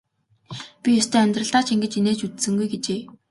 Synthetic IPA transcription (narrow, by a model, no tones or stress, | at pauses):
pʲijʊst̪ʰeːœmʲt̪rə̆ɬt̪aːt͡ɕʰiŋɡɘ̆t͡ɕineːt͡ɕut̪sɘ̆ŋɡujɡet͡ɕeː